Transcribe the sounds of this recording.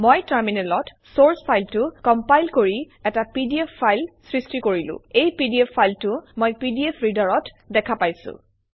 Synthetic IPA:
mojtaɹminɛlɔt | soɹspʰajltʊkɔmpajlkoɹi | ɛtapidiepʰːajlsɹistikoɹilʊ̰̃ejpidiepʰːajltʊmojpidiepʰɹidaɹɔt | dɛkʰapajsʊ̰̃

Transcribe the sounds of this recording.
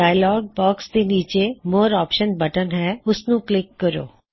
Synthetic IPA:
aːɪlɔːɡ̚bɔːksd̪eːniːt͡ʃemoːɾɔːpʃənbɐʈənɦɛːʊsnũklɪkːəɾo̰ː

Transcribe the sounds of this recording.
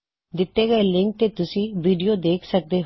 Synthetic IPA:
d̪ɪt̪ːeːɡəelɪŋk̚t̪eːt̪ʊsĩːʋiːɖijoːd̪eːkʰsək̚d̪eː

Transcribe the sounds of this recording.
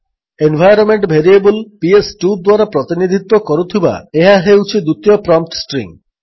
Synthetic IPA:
enbʱajɾɔnmeɳʈbʱeɾiebulpiesʈud̪waɾapɾɔt̪inid̪ʱit̪ːwɔkɔɾut̪ʰiba̰eɦaɦewt͡ʃʰid̪ut̪ijɔpɾɔmp̚ʈsʈɾḭŋ

